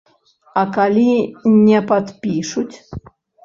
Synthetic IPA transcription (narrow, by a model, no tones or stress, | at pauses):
ɐkalʲinʲɛpat̪pʲiʂut͡sʲ